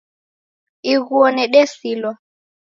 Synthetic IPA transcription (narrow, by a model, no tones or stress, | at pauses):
iɣuɔnɛɗɛsilwa